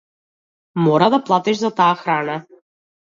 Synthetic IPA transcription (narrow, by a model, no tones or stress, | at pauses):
mɔɾad̪aplˠat̪iʃzat̪aːxɾana